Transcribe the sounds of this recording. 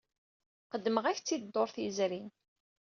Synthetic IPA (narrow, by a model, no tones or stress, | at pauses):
qəd̪ːməʁæçt͡sːid̪ːoɾθizɾin